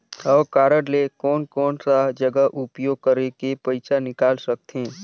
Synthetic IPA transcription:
ɔːɾkaːɾəɽlekɔːnkɔːnsad͡ʒəɡəɦʔʊpjoːɡ̚kəɾekepəɪt͡ʃanɪkaːlsɐk̚t̪ʰẽː

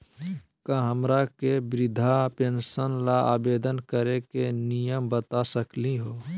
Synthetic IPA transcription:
kaɦəmɾakebɾɪd̪ʱapẽnsənlaaːbeːd̪ənkəɾekenijəmbət̪asəkliɦoː

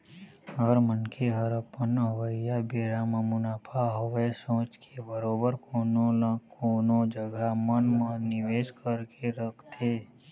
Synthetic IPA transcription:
ɦəɾmənkʰeɦəɾəpənəʋəjabeːɾamə̃mʊnaːpʰaɦəʋesõːt͡ʃkʰebəɾoːbəɾkːnõlə̃koːnõd͡ʒəɡʱamənmənɪʋeːd͡ʒkəɾkeɾəkʰt̪ʰeː

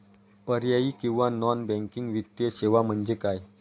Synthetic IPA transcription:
pəɾjaiːkĩw̃ʋanɔnbɛ̃ŋkiŋɡʋit̪jeɕeʋam̤əɳd͡zekaj

